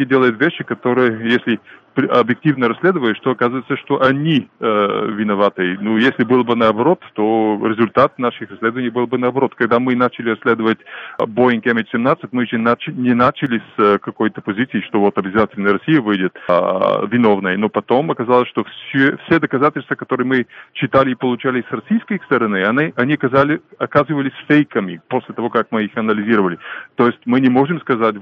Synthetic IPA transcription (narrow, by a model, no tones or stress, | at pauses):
idʲelˠəjʊt̪vʲeɕːɪkɐt̪o̞ɾɨjəjesʲlʲɪpɐbjɪk̚tʲivnəɾɐsʲlʲe̞d̪ɨvəjʊʂt̪oɐkazəvəjt̪səʂt̪oʔɐnʲi | vʲɪnɐvat̪ɨjnujesʲlʲɪbɨlˠbɨnɐːbɐɾo̞t̪ːoɾʲɪzʊlʲt̪at̪naʂɨxrɐsʲlʲe̞d̪əvənʲɪjbɨlˠbɨnɐːbɐɾo̞t̪kɐɡd̪amɨnat͡ɕɪlʲɪɾɐsʲlʲe̞d̪əvətʲboɪnkʲemʲɪtʲsʲɪmnat̪sɨtʲmɨʐenat͡ɕɪnʲɪnat͡ɕɪlʲɪskɐkojt̪əpɐzʲit̪sɨiʂt̪ovot̪ɐbʲɪzatʲɪlʲnəjəɾɐsʲijəvɨjdʲɪt̪ | vʲɪnovnəjənopɐt̪o̞mɐkɐzalˠəsʲʃt̪ofsʲufsʲed̪əkɐzatʲɪlʲst̪vəkɐt̪oɾɨjmɨt͡ɕɪt̪alʲɪːpəlˠʊt͡ɕalʲɪsrɐsʲijskəjst̪əɾɐnɨɐnɨʔɐnʲiɐkɐzalʲɪɐkazɨvəlʲɪsʲfʲejkəmʲɪposʲlʲɪt̪ɐvo̞kakmɨixɐnəlʲɪzʲiɾəvəlʲɪt̪ojɪsʲtʲmɨnʲɪmoʐɨmskɐzatʲ